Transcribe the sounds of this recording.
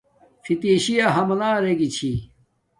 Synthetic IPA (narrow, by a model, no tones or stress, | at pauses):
fit̪iːɕijaɦɐmɐlaːɾeɡit͡ɕʰi